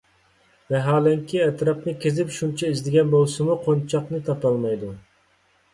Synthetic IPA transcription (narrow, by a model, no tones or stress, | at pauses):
vɛɦɑːlɪŋkʲiɛt̪ɾɑpnɨkʲʰezɪpʃunt͡ʃʰɛizd̪ɪɡʲɛnbolˠsɨmuqʰont͡ʃʰɑqnɨt̪ʰɑt̪ɑlˠmɑjd̪u